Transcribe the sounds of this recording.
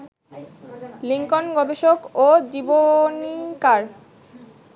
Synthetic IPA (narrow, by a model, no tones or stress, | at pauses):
liŋkonɡɔbeʃokod͡ʑibonikaɾ